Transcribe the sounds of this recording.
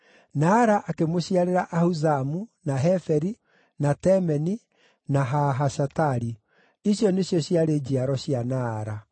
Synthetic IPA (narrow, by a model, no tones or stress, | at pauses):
naɾaʔakemoɕiaɾeɾaʔahuzamunaɦɛfɛɾi | natɛmɛni | naɦaɦaʃataɾi | iɕjɔneɕjɔɕiaɾed͡ʑiaɾɔɕianaːɾa